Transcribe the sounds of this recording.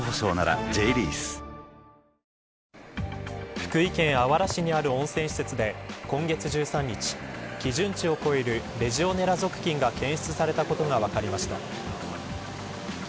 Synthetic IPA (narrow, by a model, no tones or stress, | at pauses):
ɦoso̰ːnaɾa̰d͡ʑeiɾʲiːsɨ̥ | ɸɯ̥kɯ̟ikẽ̞ɰ̃aβaɾaɕiɲ̟iaɾɯ̟õ̞ɰ̃sẽɰ̃ɕi̥se̞t͡sɨd̪e̞kõ̞ŋɡe̞t͡sɨʑɨːsãɲ̟ːit͡ɕi̥kʲiʑɨ̃ɲt͡ɕio̞ko̞eɾɯ̟ | ɾe̞ʑio̞ne̞ɾazo̞kɯ̟̥kʲĩŋɡakẽ̞ɰ̃ɕi̥t͡sɨsaɾe̞t̪ako̞t̪o̞ŋaβ̞akaɾʲimaɕi̥t̪a̰